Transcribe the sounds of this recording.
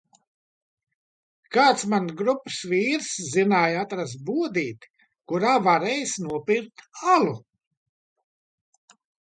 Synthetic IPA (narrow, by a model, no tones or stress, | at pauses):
kaːt̪smanɡɾupːɨ̥sviːɾszinaːjat̪ɾasbuɔd̪iːt̪ | kuɾaːvaɾɛːjsnuɔpʲiɾt̪alˠu